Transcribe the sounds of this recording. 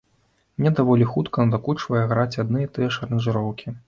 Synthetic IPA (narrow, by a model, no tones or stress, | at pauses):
mnʲɛd̪avɔlʲixut̪kɐnɐd̪akut͡ʂvɐjɐɣɾat͡sʲad̪nɨjɐt̪ɨjɛʂɐɾɐnʐɨɾɔwkʲi